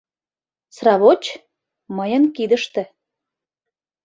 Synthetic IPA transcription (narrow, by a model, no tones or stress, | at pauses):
srɑβot͡ɕ | məjənkid̪əʃt̪ĕ